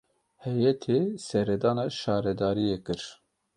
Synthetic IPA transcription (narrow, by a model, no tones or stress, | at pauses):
hɛjɛt̪ʰesɛɾɛd̪ɑːnɑːʃɑːɾɛd̪ɑːɾijekɨɾ